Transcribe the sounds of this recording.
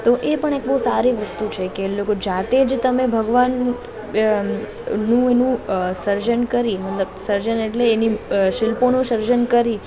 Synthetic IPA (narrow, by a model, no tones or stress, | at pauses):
t̪oʔepəɳek̚bəusaɾiʋəst̪ut͡ʃʰekelokod͡ʒat̪ed͡ʒt̪əmebʱəɡʋan | ũenũsəɾd͡ʒənkəɾimət̪ləbsəɾd͡ʒəneʈleːniʃɪlponũʃəɾd͡ʒənkəɾi